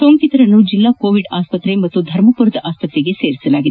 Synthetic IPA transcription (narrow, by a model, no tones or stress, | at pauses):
somkit̪ɾɐnuːd͡ʑilːakoʋiɖaspət̪ɾemɐt̪ːud̪ʱɐɾməpuɾd̪ʱəʔaspət̪ɾeɡeseɾsəlaɡit̪ː